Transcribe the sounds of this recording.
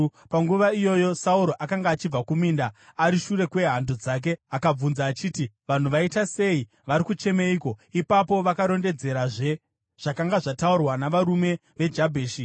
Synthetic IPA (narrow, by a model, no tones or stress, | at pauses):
paŋɡuʋaijo̞jo̞sauɾo̞ʔakaŋɡaːt͡ʃib͡vakumiːndaaɾiʃure̞kwe̞ɦando̞d͡zak̬e̞akab͡vunzaːt͡ʃiːtiʋan̤uʋaitase̞i | ʋaɾikut͡ʃe̞meiko̞ipapo̞ʋakaɾo̞nde̞d͡ze̞ɾaʐe̞ | ʐ̥akaŋɡaʐataurwanaʋaɾume̞ | ʋe̞d͡ʒabʱeːʃi